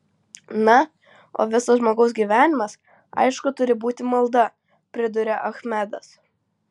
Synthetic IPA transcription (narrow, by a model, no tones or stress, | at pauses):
nɐ | o̰ːʋʲɪsɐsʒmoːɡɐʊs̬ɡʲiːʋʲæːnʲɪmɐs | ɐ̰ɪʃkʊt̪ʊɾʲɪbuːt̪ʲɪmɐlˠd̪ɐ | pʲɾʲɪd̪ʊɾʲɛʔɐxmʲɛd̪ɐs